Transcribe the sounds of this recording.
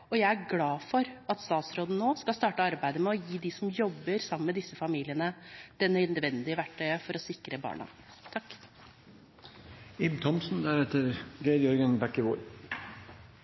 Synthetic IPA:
ɔjæɪæɾɡlɑːfɔɾɑt̪st̪ɑːt̪sɾoːd̪n̩noːskɑlst̪ɑːʈəɑɾbæɪd̪əmɛɔjiːd̪ɪsɔmjɔbːəɾsɑməmɛd̪ɪsːəfɑmiːlɪənəd̪̥ɛnːœʏnəd̪ʋɛnd̪ɪəʋæʈʰːœʏəfɔɾɔsɪkɾəbɑ̰ːɳɑ̰ | t̪ʰɑkː | ɪbt̪ʰɔmsn̩d̪æɾɛt̪əɾɡeːd̪jɔɾɡənbækːəʋo̰ːɾ

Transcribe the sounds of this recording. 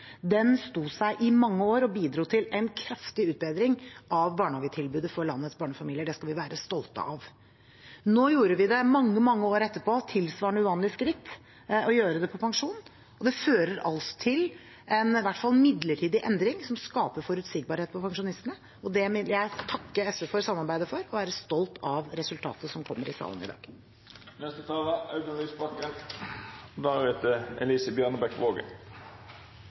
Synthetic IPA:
d̪ɛnst̪uːsæɪʔɪmɑŋːəoːɾɔbiːd̪ɾuːt̪ʰɪlæɪnkʰɾɑft̪ɪʉːt̪̚bɛɪd̪ɾɪŋʔɑʋbɑːɳɑːɡət̪ʰɪlbʉːd̪əfɔɾɭɑnːət̪sbɑːɳəfɑmiːlɪəɖɛskɑlʋɪʋæːɾəst̪ɔlt̪ə̰ʔɑʋ | noːjuːɾəʋɪd̪ɛmɑŋːəmɑŋːəoːɾɛt̪ːəɾpʰoːt̪ʰɪlsʋɑːɳəʉʋɑːnlɪskɾɪt̪ː | ɔjøːɾəd̪ɛpʰɔpʰɑŋʂuːn | ɔd̪ɛføːɾəɾɑ̰lsɔ̥t̪ʰɪl | ɛnʋæʈːfɑlˠmɪd̪ləʈʰiːd̪ɪʔɛnd̪ɾɪŋsɔmskɑːpəɾfɔɾʉt̪sɪɡ̚bɑːɾheːt̪̚pʰɔpʰɑŋʂʊnɪst̪ənə | ɔd̪ɛmɪjæɪt̪ʰɑkːəɛsʋɛfɔɾsɑmːɑɾbæɪd̪əfɔɾɔʋæːɾəst̪ɔlt̪ʰɑʋɾɛsʉlt̪ʰɑ̰ːt̪əsɔmkʰɔmːəɾɪsɑ̰ːlənɪ̰d̪ɑ̰ːɡ̥ | nɛst̪ət̪ʰɑːləɑʉɡ̪əliːsbɑkːə | d̪ɑɾɛt̪əɛ̰liːsəbjœnəbɛkʋoːɡə̰

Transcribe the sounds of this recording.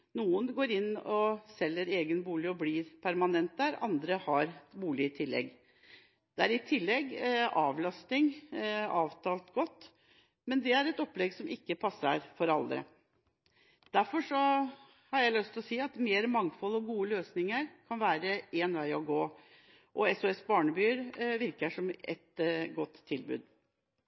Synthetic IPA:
nuːənɡoːɾɪnːɔsɛlːəɾeːɡənbuːlɪɔbliːɾpʰæɾmɑnɛnt̪̚d̪æːɾɑ̰nd̪ɾəhɑɾbuːlɪət̪ʰɪlːɛ̰ɡ | d̪̥ɛæɾɪt̪ʰɪlːɛɡːɑːʋlɑst̪ɪŋɑːʋt̪ʰɑːlt̪ɡɔt̪ː | mɛnd̪ɛæɾɛt̪ɔpːlɛɡsɔmʔɪkːəpʰɑsːə̰ɾfɔɾɑld̪ɾə̰ | d̪̥æɾfɔʂɔ | hɑɾjæɪlœst̪ʰɪlɔsiːɑt̪meːɾmɑŋfɔlːɔɡuːəløːsnɪŋəɾkʰɑnʋæːɾəeːnʋæɪɔɡoː | ʔɔɛsʊɛsbɑːɳəbyːəɾʋɪɾkəʂɔmʔɛ̰t̪ɡɔt̪ʰːɪlbʉ̰ːd̪

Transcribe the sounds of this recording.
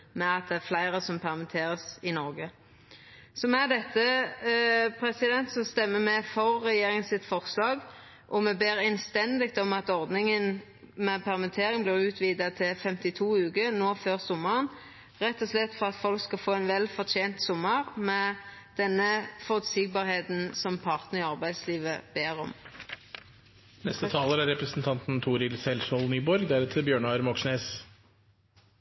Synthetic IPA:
mɛɑt̪̚d̪ɛæɾflæɪɾəsɔmpʰæʁmɪt̪ʰeːɾəsɪnɔɾɡə | sɔmɛd̪ɛt̪ʰːə | pʰɾɛsɪd̪ɛnt̪sɔst̪ɛmːəmɛfɔʁːɛjeːɾɪŋənsɪt̪fɔʁslɑːɡ | ʔɔmɛbeːɾɛnst̪ɛnd̪ɪk̚t̪ɔmɑt̪ɔʁd̪nɪŋən | mɛpʰæʁmɪt̪ʰeːɾɪŋblɪːʁʉːt̪ʰʋiːd̪ɑt̪ʰɪlfɛmt̪ɪt̪ʰuːʉːɡənoːføːʁsɔmːəʁən | ʁɛt̪ːɔslɛt̪ːfɔʁɑt̪fɔlkskɑfoːɛnʋɛlfɔʁt̪ʰeːnt̪sʊmːəʁmɛd̪̥ɛnːəfɔʁʉːt̪sɪɡ̚bɑːʁheːt̪n̩sɔmpʰɑʁt̪nəʁɪɑʁbæɪd̪sliːʋə̰b̥eːʁɔ̰m | nɛst̪ət̪ʰɑːləɾæɾɛpɾəsn̩t̪ʰɑnt̪n̩t̪ʰuːɾɪlsɛlsɔlnyːbɔɾɡd̪æɾʉt̪ʰəbjøːɳɑɾmɔksneːs

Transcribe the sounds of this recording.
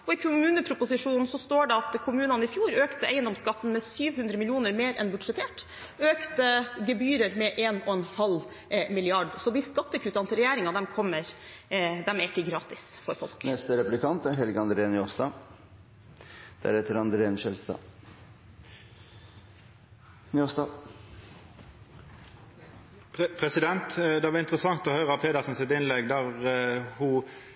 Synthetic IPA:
ɔɪkʰʊmʉːnəpʰɾʊpʊsɪʂuːnn̩sɔst̪oːɖɛɑt̪kʰʊmʉːnɑnəɪfjuːɾøːkt̪əæɪənd̪ɔmskɑt̪ːn̩mɛsyːʋhʉnd̪ɾəmɪlɪuːnəɾmeːɾɛ̰nbʉɖʂɛt̪ʰeːʈ | øːkt̪əɡɛbyːɾəɾmɛʔeːnɔɛnhɑl | mɪlɪɑɖsɔd̪ɪskɑt̪ːəkʰʉːt̪ɑnt̪ɪɾɛjæːɾɪŋɑd̪ɛmkʰɔmːəɾ | d̪ɛmæɪkːəɡɾɑːt̪ɪsfɔɾfɔlknɛst̪əɾɛplɪkʰɑnt̪æɾhɛlɡəɑnd̪ɾeːnɪost̪ɑ | d̪̥æ̰ɾhɛt̪əɾɑnd̪ɾeːnʃɛlst̪ɑ̰ː | nɪoːsd̪ɑ | pʰɾɛsɪd̪ɛnt̪d̪ɛʋɑɾɪnt̪ɾəsɑŋt̪ɔhøːɾɑpʰeːd̪ɑsn̩sɪt̪ɪnlɛɡd̪æʁhʊ

